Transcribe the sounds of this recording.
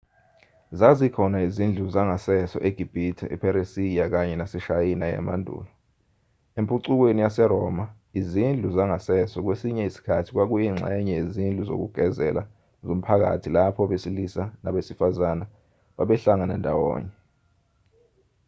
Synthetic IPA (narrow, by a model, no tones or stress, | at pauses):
zazikʰɔnaizind͡ɮʱuzaŋasɛsɔ̰ʔeɡ̥ʱib̥ʱitʰɛ̰ʔḭpʰɛɾesijak̬aɲɛnasɛʃajinaja̰mandʱṵːlɔ | empʼuǀuk̬wenijasɛɾɔma | izind͡ɮʱuzaŋasɛsɔk̬wesiɲɛisi̥kʰatʰi̥k̬wak̬ujiŋ͡ǁʱa̰jɛɲɛjezind͡ɮʱuzo̰k̬uɡ̥ʱɛzɛ̰la̰ | zom̩pʰak̬a̰tʰilapʰɔɓesilisanaɓesifazana | ɓaɓɛɬaŋanɛ̰ndʱawɔ̰ːɲɛ